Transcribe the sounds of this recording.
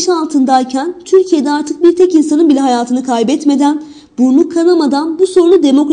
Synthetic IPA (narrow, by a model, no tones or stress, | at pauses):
ʃalˠt̪ʰɯnd̪ajcʰænt̪ʰyɾcʰije̞d̪ɛaɾt̪ʰɯk̚biɾt̪ʰɛcinsanɯnbilʲɛɦajaːt̪ʰɯnɯkʰajbɛt̪me̞d̪æn | buɾlˠukʰːanamad̪anbuso̞ɾunlud̪e̞mo̞kɾ